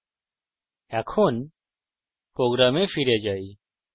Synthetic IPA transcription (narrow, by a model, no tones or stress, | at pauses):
akʰoːn | pɾoːɡɾaːmẽːfʰiɾjaːd͡ʒaːiː